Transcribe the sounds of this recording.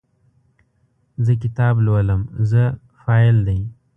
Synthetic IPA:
zək̬ɪt̪ɑblwaləmzə | fɑɪld̪aj

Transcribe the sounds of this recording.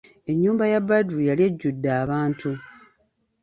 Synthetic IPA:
e̞ɲːuːmbajabaduɾujaljeɟːudːaːβaːntʰu

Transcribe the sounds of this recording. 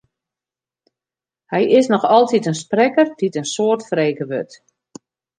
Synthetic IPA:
hɛjɪsnɔxɔlˠtitənsprɛkərditənsoːərtfreːkəʋø̰t

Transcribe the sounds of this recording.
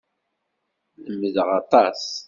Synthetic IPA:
ləməðəʁɑt̪ˤɑs

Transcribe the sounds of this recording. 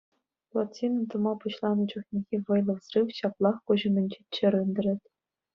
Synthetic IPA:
lˠotʲinɤ̆t̪ɤ̆mɑpuɕlˠɑnɤ̆d͡ʑŭχnʲeɣʲeʋɤ̆jlˠɤ̆ʋsrɯwɕɑplˠɑχkuʑɤ̆mʲɘ̆nʲd͡ʑit͡ɕːɘ̆ɾɯnʲd̪ʲɘ̆ɾʲɘ̆tʲ

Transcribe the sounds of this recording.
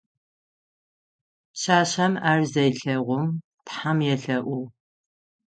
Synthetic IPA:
ɕaːɕɐmaːrzɐjɬɐʁʷʊm | tħamjɛɬɐʔʷʊ

